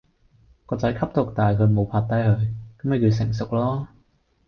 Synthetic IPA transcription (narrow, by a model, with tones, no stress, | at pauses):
kɔː˧t͡sɐ˨˥jkʰɐ˥p̚t̪ʊ˨˩k̚t̪aː˨˩jkʰɵ˨˧ɥmo˨˧wpʰaː˧t̚t̪ɐ˥jhɵ˨˧ɥkɐ˨˦mɵ˨˧ki˧wsɪ˨˩ŋsʊ˨k̚lɔː˥